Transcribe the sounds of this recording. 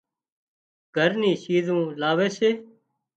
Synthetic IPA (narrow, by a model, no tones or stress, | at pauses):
ɡ̥ʱəɾniːʃiːzũːlaːʋeːseː